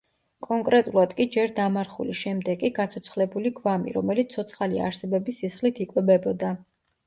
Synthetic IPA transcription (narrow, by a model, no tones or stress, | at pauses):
kʼɔŋkʼɾɛt̪ʼulˠad̪̥kʼid͡ʒɛɾd̪amaɾχṵliʃɛmd̪ɛɡʼiɡat̪sʰɔt̪sʰχlɛbuliɡvamḭɾɔmɛlit̪sʰɔt̪sʰχalia̰ɾsɛbɛbisisχlit̪ʰikʼwɛbɛbɔd̪a